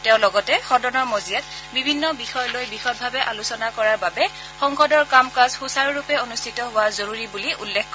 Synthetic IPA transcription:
tɛʊ̃lɔɡɔtɛxɔdɔnɔɹmozijat | bibʱinːɔbixɔjɔlojbixɔt̚bʱabɛʔalusɔnakɔɹaɹbabɛ | xɔŋxɔdɔɹkamkazxusaɹɹupɛonustʰitɔɦʊwazoɹuɹibuliʔulːɛkk

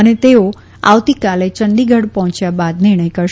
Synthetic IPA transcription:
ənet̪eo | a̰ʋt̪ikalet͡ʃənd̪iɡʱəɽpɔɦɔ̃t͡ʃjabad̪nɪɾɳəjkəɾʃ

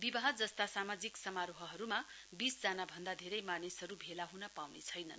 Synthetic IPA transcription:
bibʌɦʌd͡zʌst̪asamad͡ziksʌmaɾoɦʌɦʌɾuma | bisd͡zanabʱʌnd̪ad̪ʱeɾʌjmanisɦʌɾubʱelaɦunʌpawnet͡sʰʌjnʌn

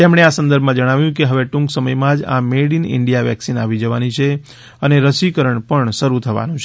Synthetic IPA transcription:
t̪emɽ̃easənd̪əɾbʱmãd͡ʒəɽ̃aʋjũkeɦəʋeʈũŋksəməjmãd͡ʒa̰meɽinɪ̰ɳɖijaʋɛ̰ksinaʋid͡ʒəʋanit͡ʃʰe | əneɾəʃikəɾəɳpəɳʃəɾut̪ʰəʋa̰nũt͡ʃʰe

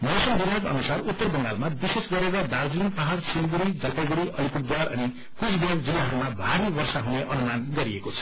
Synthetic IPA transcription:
mosʌnbibʱakʌ̰nusarut̪ːʌrbʌŋɡa̰lmabisesɡʌɾeɾʌd̪ard͡zinpaɦaɾsinɡuɽid͡zʌlpajɡuɽiʔʌlipuʈd̪waɾʌ̰ni | kusbakd͡zilːaɦʌɾumabʱaɾibʌrsaɦuneʔʌnumanɡʌɾiekot͡sʰʌ̥

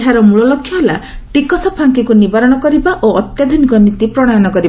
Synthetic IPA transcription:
ɦaɾɔmuɭɔlɔkʰjɔɦelaʈikɔsɔpʰaŋkikunibaɾɔɽ̃ɔkɔɾibaʔoɔt̪jad̪ʱunikɔnit̪ipɾɔɽ̃ɔjɔɽ̃ɔkɔɾiba

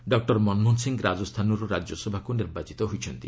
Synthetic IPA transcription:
ɖɔk̚ʈɔɾmɔnmɔnsiŋɡɾad͡ʒɔst̪ʰanɔɾuɾad͡ʒjɔsɔbʱakuniɾbat͡ʃit̪ɔɦojt͡ʃʰɔnt̪i

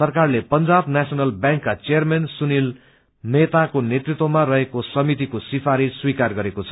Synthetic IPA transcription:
sʌrkarlepʌnd͡zabnasʌnʌlbjãŋkːat͡sejʌrmensunil | net̪akonet̪rit̪womarʌɦekosʌmit̪ikosipʰaɾiswikarɡʌɾekot͡sʰʌ

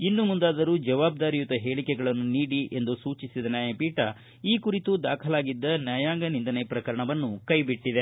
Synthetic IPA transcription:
inːumund̪aːd̪ɐɾuːd͡ʒɐʋaːb̚d̪aːɾijut̪ɐɦe̞ːɭikɛɡɐɭɐnːuniːɽiʔe̞nd̪usuːt͡ʃisid̪ɐnjaːjɐpiːʈɐ | iːkuɾit̪ud̪aːkʰɐlaːɡid̪ːɐnjaːjaːŋɡɐnind̪ɐnepɾɐkɐɾɐɳɐʋɐnːukɐjbiʈːid̪e

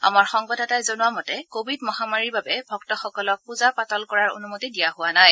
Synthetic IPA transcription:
a̰maɹxɔŋɡɔdɛtajzonʊwamɔtɛkobʱidmɔɦamaɹiɹbabɛbʱɔk̚tɔxɔkɔlɔk̚puzapatɔlkɔɹaɹo̰numotidijaɦʊwanaj

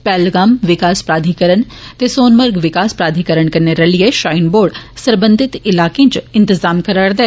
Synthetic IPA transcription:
pɛːlɡaːmʋɪkaːspɾaːd̪ʱikəɾənt̪esoːnmɐɾɡʋɪkaːspɾaːd̪ʱikəɾəɳkɐɾneɾɐlieʃaːɪnboːɖsɐɾbə̃nd̪ʱɪt̪ɪlaːkẽt͡ʃɪ̃nt̪ɪzaːmkɐɾəɽd̪ɛː

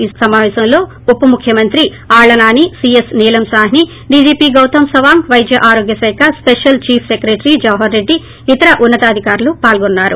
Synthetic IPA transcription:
isɐmaːʋɛːsɐmlo̞ː | upːɐmukʰjɐmɐnt̪ɾi | aːɭɐnaːnisiesniːlɐmsaːɦni | ɖiːd͡ʒiːpiːɡɐwt̪ɐmsɐʋaːmʋɐjd̪ʱjɐʔaːɾo̞ːɡjɐsɐjkʰɐspeʂjɐlt͡ʃiːpʰsekɾeːʈɾid͡ʒɐʋɦɐɾːe̞ɖːiː | t̪ɐɾɐʔunːɐt̪ɐaːd̪ʱikaːɾulupaːlɡonːaːɾu

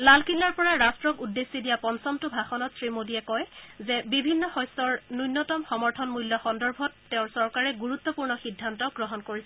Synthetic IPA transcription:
lalkʰilːaɹpɔɹaɹastɹɔkudːesːidijapɔnsɔmtʊbʱaxɔnɔtsɹimodiɛkɔjzɛbibʱinːɔxɔjstɔɹnujnːɔtɔmxɔmɔɹtʰɔnmuljɔxɔndɔɹbʱɔtːeʊ̃ɹsɔɹkaɹɛɡuɹut̪ːɔpuɹnɔxidʱːantɔɡɹɔɦɔnkoɹisɛ

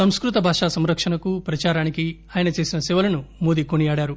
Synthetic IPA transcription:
sɐmskɾut̪ɐbʱaːʂaːsɐmɾɐkʂɐnɐkupɾɐt͡ʃaːɾaːnikiaːjɐnɐt͡ʃe̞ːsinɐsɛʋɐlɐnumoːd̪ikonijaːɽaːɾu

